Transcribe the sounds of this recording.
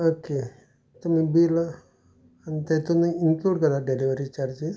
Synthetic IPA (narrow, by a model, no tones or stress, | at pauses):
oke | t̪um̤ibila | anit̪et̪unəiŋkluːɖkəɾaɖeliʋəɾit͡ɕaɾd͡ʑiz